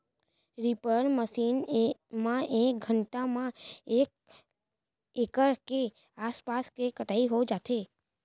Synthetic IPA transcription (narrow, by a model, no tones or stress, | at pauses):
ɾipəɾməʃinmãʔek̚ɡʱəɳʈamãek̚ | ekəɾke | aspaskekəʈaiɦod͡ʒat̪ʰe